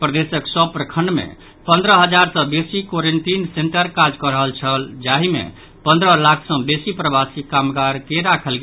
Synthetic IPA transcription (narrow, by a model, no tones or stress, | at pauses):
pɾəd̪esəksəbpɾəkʰəɳɖmḛ | pə̃nd̪ɾəɦəd͡ʒaɾsə̃besikoɾeɳʈinseɳʈəɾkad͡ʒkəɾəɦəlt͡ʃʰəld͡ʒaɦimḛ | pənd̪ɾəlakʰsə̃besipɾəbasikamɡaɾkeɾakʰəlɡ